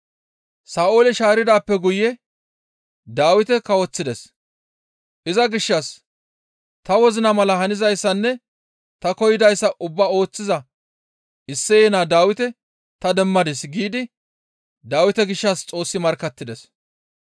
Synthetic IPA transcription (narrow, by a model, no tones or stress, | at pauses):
saːʔo̞ːlɪʃaːɾɪd̪aːpːɛɡʊjɛ | d̪aːwɪt̪ɛkɐwɔt͡sːɪd̪ɛs | ʔɪzɐɡɪʃːɐs | t̪ɐwɔzɪnɐmɐlɐɦɐnɪzɐjsːɐnːɛ | t̪ɐkɔjɪd̪ɐjsːɐʔʊbːaːo̞ːt͡sːɪzɐ | ɪsːɛjɛnaːd̪aːwɪt̪ɛ | t̪ɐd̪ɛmːɐd̪ɪsɡiːd̪ɪ | d̪aːwɪt̪ɛɡɪʃːɐst͡sʼo̞ːsːɪmɐɾkɐt̪ːɪd̪ɛs